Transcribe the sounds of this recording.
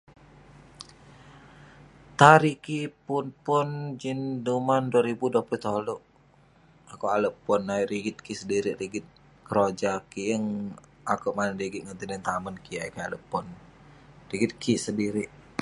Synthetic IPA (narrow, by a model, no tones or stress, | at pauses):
t̪aɾikipʊnpʊnd͡ʒindumanduaɾibuduaplut̪olɔʔ | akoaləpɔnːaiɾiɡɪt̪̚kisədiɾiʔɾiɡɪt̪̚ | kəɾod͡ʒakiəŋ | akuʔmanədiɡɪt̪̚ŋənt̪idɛnt̪amənkʰiakialəpɔn | riɡɪt̪̚kʰisədiɾiʔ